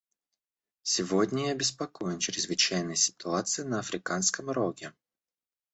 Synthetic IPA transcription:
sʲɪvodʲnʲəjabʲɪspɐkojɪnt͡ɕɪɾʲɪzvɨt͡ɕæjnəjsʲɪ̥t̪ʊat̪sɨjɪnəɐfɾʲɪkanskəmɾoɡʲɪ

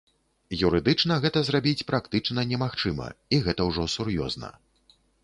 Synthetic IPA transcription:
juɾɨd̪ɨt͡ʂnɐɣɛt̪ɐzrabʲit͡sʲpɾakt̪ɨt͡ʂnɐnʲɛmaxt͡ʂɨmɐ̰iɣɛt̪ɐwʐɔsurjɔ̰znɐ̰

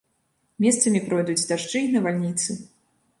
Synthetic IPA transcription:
mʲɛst̪sɐmʲipɾɔjd̪ud͡zʲd̪aʂt͡ʂɨnɐvalʲnʲit̪sɨ

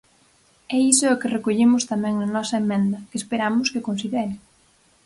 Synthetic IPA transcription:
ɛisʊʊkɪrekoʎemʊst̪amɛ̃ŋnɐnɔsɐemɛ̃nd̪ɐkeːspeɾamʊskɪkonsiðɛɾɪ

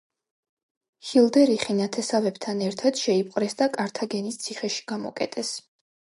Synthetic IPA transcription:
hilˠd̪ɛɾiχinat̪ʰɛsavɛbt̪ʰanɛɾt̪ʰad̪̥ʃɛipʼqʼɾɛsd̪akʼaɾt̪ʰaɡɛnist̪sʰiχɛʃi̥ɡ̥amɔ̰kʼɛt̪ʼʰɛs

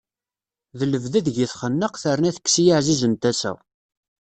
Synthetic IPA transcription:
ðələvðæðʝiθχənːəqθəɾənæθə̥kːsijəʕzizənt̪æsæ̰

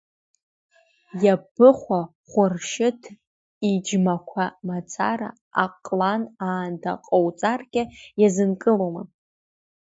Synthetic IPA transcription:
jabɨχʷa | χʷʊrʃɪtʰ | id͡ʒmakʷʰamat͡sʰaɾa̰ | a̰qʼlanaːndʰa̰qʼowt͡sʼarkʲʼɪjazɨnkʼɨloma

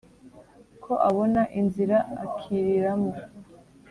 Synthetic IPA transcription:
kʰo̞ʔaβo̞naʔinziɾaakʰiɾiɾamo

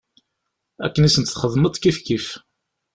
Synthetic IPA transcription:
æ̰kːənisənt̪θχəðmət̪ˤkifkif

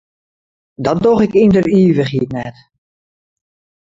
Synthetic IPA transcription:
dɔt̚doɣɪkindəriːvəχhitnɛt

